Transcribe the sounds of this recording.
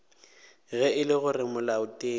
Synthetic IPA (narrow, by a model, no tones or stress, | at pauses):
ɣɛɪlɪɣʊrɪmʊlaʊtʼeː